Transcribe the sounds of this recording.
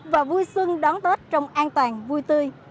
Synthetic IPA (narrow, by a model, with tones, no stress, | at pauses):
vaː˨˩vu˧jswɨ˧ŋɗɔ˨˦nt̪o˦˥t̚t͡ɕɔ˧wŋ͡mʔaː˧nt̪waː˨˩nvu˧jt̪ɨ˧j